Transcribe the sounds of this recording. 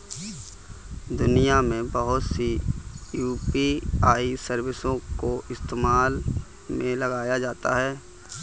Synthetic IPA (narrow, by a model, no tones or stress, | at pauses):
d̪ʊnijamẽbəɦʊt̪sijuːpiaːisəɾwɪsõkoʔɪst̪eːmaːl | mẽlɐɡaːjad͡ʒaːt̪a̰ɦɛː